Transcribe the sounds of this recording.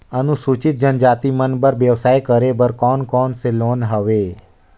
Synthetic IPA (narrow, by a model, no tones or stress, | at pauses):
ənũsut͡ʃit̪̚d͡ʒənd͡ʒat̪imənbəɾʋjəʋsajkəɾebəɾkɔnkɔnselonɦəʋe